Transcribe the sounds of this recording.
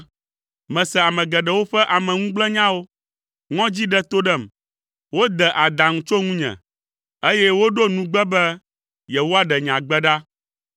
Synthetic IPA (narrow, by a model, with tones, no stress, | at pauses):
mɛ̃˨sɛ˨a˨mɛ̃˨ɡɛ˨ɖɛ˨wo˦ɸɛ˦ʔa˨mɛ̃˨ŋũ˦ɡ͡blɛ˦ɲã˦wo˦ | ŋɔ̃˦d͡ʑi˦ɖɛ˦t̪o˦ɖɛ˦˨m | wo˦d̪ɛ˨ʔa˨d̪a˨ŋũ˦t͡ʃo˦ŋũ˦ɲɛ̰̃˨ | e˦jɛ˦wo˦ɖo˦nũ˨ɡ͡bɛ˦bɛ˦ | jɛ˨wo˦a˦ɖɛ˨ɲ˨ã˨ɡ͡bɛ˦ɖa˦